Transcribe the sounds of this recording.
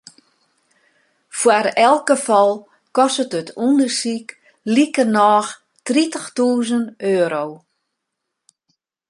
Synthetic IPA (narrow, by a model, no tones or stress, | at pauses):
fwarɛlˠk̚ɡəfɔlˠ | kɔsətətʰundərsik | likənɔːx | tritəxtuːzənøːɾow